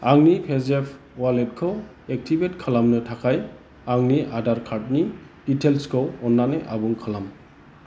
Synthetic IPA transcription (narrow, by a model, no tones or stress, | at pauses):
aŋnipʰezepʰ | walet̚kʰɔw | ek̚tʰibetkʰalamnɯtʰakʰaj | aŋniʔadaɾkʰaɾt̚niː | tʰelskʰɔwɔnːaneʔabuŋkʰalam